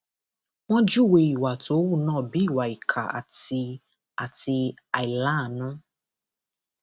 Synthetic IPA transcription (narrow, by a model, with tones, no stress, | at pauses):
w̃ɔ̃˦d͡ʒu˦˨we˧i˨wa˨to˨˦wu˦˨nãː˦˨bi˨˦i˦˨wa˨i˨kʰa˨a̰˨ti˧ | a˨ti˧a˨i˨lã˦˨nũ˦